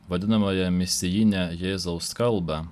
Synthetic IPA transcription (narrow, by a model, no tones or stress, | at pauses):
ʋɐd̪ʲɪnɐmɐjɛmʲɪsʲɪjɪnʲɛjeːzɐʊskɐlˠbɑ